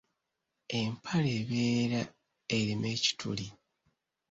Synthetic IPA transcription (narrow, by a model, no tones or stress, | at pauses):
e̞mpʰaleβeːɾa | eɾime̞ːci̥tʰṵli